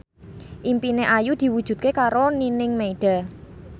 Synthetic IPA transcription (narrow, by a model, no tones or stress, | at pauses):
ʔimpineʔajud̪̥i̤wud̥ʒ̥ṳt̪̚kekaɾoninɪŋmeiɖ̥a̤